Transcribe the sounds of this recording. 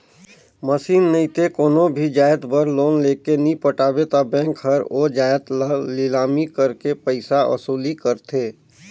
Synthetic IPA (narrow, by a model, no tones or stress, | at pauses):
məsiːnːəɪt̪ekoːnõbʱid͡ʒaːjət̪bəɾloːnleːkenipəʈaːbet̪abɛ̃ːŋkɦɐɾoːd͡ʒaːjət̪llɪlaːmikəɾkepəɪsaʔɐ̰suːlikəɾt̪ʰeː